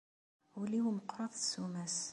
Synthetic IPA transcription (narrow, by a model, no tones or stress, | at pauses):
wliwiməqɾˤɑðˤsumæs